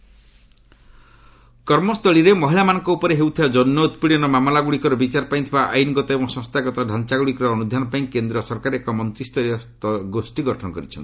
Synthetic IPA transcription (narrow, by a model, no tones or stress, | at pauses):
kɔɾmɔst̪ʰɔɭiɾemɔɦilamanɔ̃ŋkɔupɔɾeɦewt̪ʰibad͡ʒɔnːɔut̪piɽɔnɔmamɔlaɡuɽikɔɾɔbit͡ʃaɾɔpaĩt̪ʰibaʔajnɔɡɔt̪ɔebɔ̃ŋsɔ̃ŋst̪ʰaɡɔt̪ɔɖʱant͡ʃaɡuɽikɔɾɔːnud̪ʱjanɔpaĩkend̪ɾɔsɔɾkaɾeekɔmɔnt̪ɾist̪ʰɔɾiɔ | ɡosʈiɡɔʈʰɔnɔkɔɾit͡ʃʰɔ̰nt̪i